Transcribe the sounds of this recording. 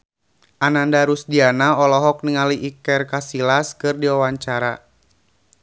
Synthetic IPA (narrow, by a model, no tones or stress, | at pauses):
ʔanandaɾusdianaɔlɔɦɔk̚niŋaliʔikɛrkasilaskɨrdiwawaɲt͡ʃaɾa